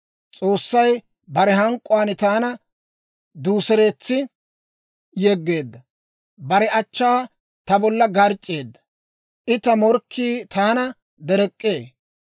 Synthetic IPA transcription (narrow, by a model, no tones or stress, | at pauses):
t͡sʼo̞ːsːɐj | bɐɾɛɦɐŋkʼːʊaːnɪt̪aːnɐ | d̪uːsɛɾe̞ːt͡sːɪ | jɛɡːe̞ːd̪ːɐ | bɐɾɛɐt͡ʃːaː | t̪ɐbɔlːɐɡɐɾt͡ʃʼːeːd̪ːɐ̥ | ʔɪt̪ɐmɔɾkʰːiːt̪aːnɐ | d̪ɛɾɛkʼːe̞ː